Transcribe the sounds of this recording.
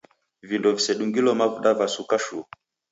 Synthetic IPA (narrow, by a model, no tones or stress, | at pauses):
vindɔvisɛɗuŋɡilɔmavuɗavasukaʃu